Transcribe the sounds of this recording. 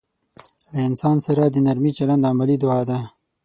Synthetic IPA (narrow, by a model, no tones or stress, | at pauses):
laɪnsɑnsaɾad̪ənaɾmit͡ʃaland̪amalid̪ʊɑd̪a